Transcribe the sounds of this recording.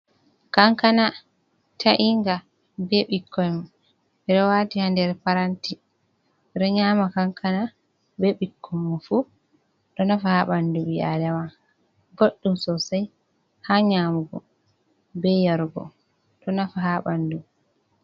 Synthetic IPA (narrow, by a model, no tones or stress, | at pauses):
kaŋkana | tʰaʔiŋɡa | bɛɓikʰːɔjma | ɛɗɔwaːtihandɛɾpaɾanti | ɾɛɲaːmakaŋkʰana | bɛɓikʰːɔmːɔfu | ɗɔnafahaɓandubiʔa̰daman | ɡoɗːumsɔsaj | haɲamuɡɔ̰ | bɛjaɾɡɔ̰ | ɗɔnafaɦaɓandu